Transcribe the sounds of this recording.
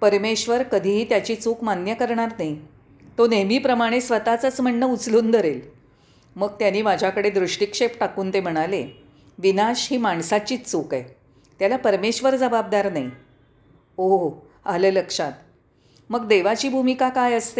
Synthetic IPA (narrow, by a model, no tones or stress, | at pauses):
pəɾmeɕʋəɾkəd̪ʱiːɦiːt̪jat͡ɕiːt͡sukmanjəkəɾɳaɾnai | t̪onemiːpɾəmaɽ̃esʋət̪at͡sət͡sm̤əɳːəut͡sluːnd̪ʱəɾel | məɡ̚t̪janiːmad͡ʑʱjakəɽed̪ɾuʂʈikʂepʈakuːnt̪em̤əɽ̃ale | ʋinaɕɦiːmaɳsat͡ɕiːt͡st͡sukaj | t̪jalapəɾmeɕʋəɾd͡zəbab̚d̪aɾnai | o | aləːləkʂat̪ | məɡd̪eʋat͡ɕiːbʱumikakajəst̪e